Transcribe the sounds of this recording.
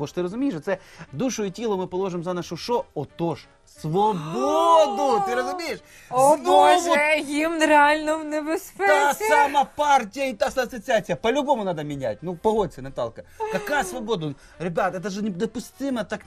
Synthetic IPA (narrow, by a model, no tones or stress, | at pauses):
oʂt̪ɨɾəzʊmʲejɪʂɐt̪sɛd̪uʂʊɪtʲelˠʊmɨpɐlˠo̞ʐɨmzɐnaʂʊʂoot̪oʂ | svɐbod̪ʊt̪ɨɾəzʊmʲejɪʂ | znoʋʊjimnɾɪalʲnɔmnɛbɪspɛasamapartʲɪjəɪt̪asasɐt͡sʲɪat͡sʲɪjəpɐlʲʊbomʊnad̪əmʲɪnʲæ̰t̚ʲnupɐɦotʲsʲɪnɐt̪a̰lˠkɐkɐkajəsvɐbod̪ʊ | ɾʲɪbʲat̪ɛt̪əʐɨnʲɪd̪ɐpʊsʲt̪ɨmət̪ak